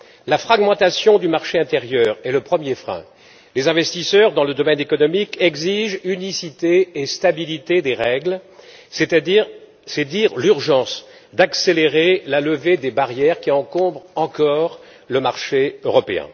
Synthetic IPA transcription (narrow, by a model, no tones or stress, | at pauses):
lafχaɡmɑ̃t̪asjɔ̃d̪ymaʁʃeɛ̃t̪eʁjœːʁɛləpχəmjefχɛ̰̃ | lezɛ̃vɛst̪isœʁd̪ɑ̃ləd̪ɔmɛnekɔnɔmikʰɛɡziʒynisit̪eːst̪abilit̪ed̪eʁɛɡl | s | sɛd̪iʁlyʁʒɑ̃s | d̪akseleʁelaləved̪ebaʁjɛʁkʲiɑ̃kɔ̃bʁɑ̃kɔʁ | ləmaʁʃeøʁɔpeɛ̰̃